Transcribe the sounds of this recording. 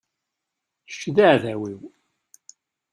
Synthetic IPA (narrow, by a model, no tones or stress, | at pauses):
ʃːðaʕðæwiw